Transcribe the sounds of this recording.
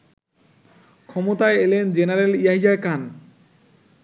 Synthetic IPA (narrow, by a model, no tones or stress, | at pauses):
kʰɔmot̪aeelend͡ʑenaɾelijaɦijakan